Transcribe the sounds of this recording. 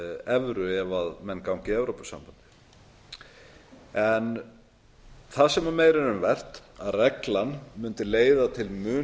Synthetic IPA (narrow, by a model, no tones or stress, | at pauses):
ɛvɾʏɛvaðmɛnːkawŋcɪɛvɾowpʏsa̰mpant̪ɪ̥ | ɛn | θaðsɛmameːjɾɪnʏmvɛr̥t̪aðrɛklanmʏnt̪ɪleːjðat̪ʰɪlmʏː